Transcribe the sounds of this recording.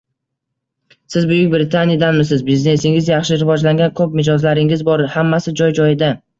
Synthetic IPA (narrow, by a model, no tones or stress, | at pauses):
sɪzbʊjɪk̚ʲbɾɪt̪ʰanjad̪anmɪs̬ɪzbizne̞sɪŋɪzjɑχʃɪɾɪvɒd͡ʒlaŋɡʲankʰɵpmɪd͡ʒɒzlaɾɪŋɪzbɒɾhamːasɪd͡ʒɒjd͡ʒɒjɪd̪a